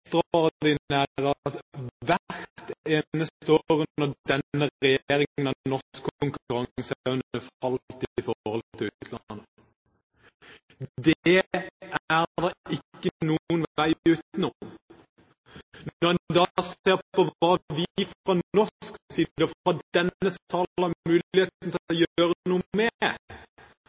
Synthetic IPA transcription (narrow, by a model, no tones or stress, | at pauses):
t̪oʁd̪ɪnæʁɑt̪ʋæɾt̪t̪eːnəst̪oʁʉnːəd̪ɛnːəʁʁɛjeːɾɪŋənɑnɔskkːʰʊŋkʉʁɑŋsʉnəfɑlt̪ɪɪfɔhɔlt̪ʰɪlʉːt̪t̪ʰlɑnə | d̪ɛ | æʁd̪ɑɪkːənuənʋʋæɪʉːt̪nɔm | nɔʁɛd̪ɑːseːʁpɔʋɑːʋɪfʁɑnɔsksiːdd̪əfɑd̪ɛnːəsɑːlɑmʉːlɪeːt̪n̩t̪ʰɔjːøːʁənuːəmɛ